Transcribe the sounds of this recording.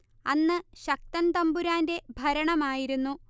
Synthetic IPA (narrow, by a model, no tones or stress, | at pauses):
ɐnːɨɕɐk̚t̪ɐnt̪ɐmbuɾaːnde̞bʱɐɾɐɳɐmaːjiɾunːu